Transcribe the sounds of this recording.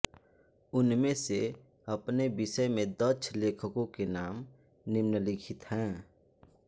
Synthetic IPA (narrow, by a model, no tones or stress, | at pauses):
ʊnmẽse | ɐpnebɪsəmẽd̪ət͡ʃʰleːkʰəkõkenaːm | nɪmnəlɪkʰɪt̪ɦɛ̃ː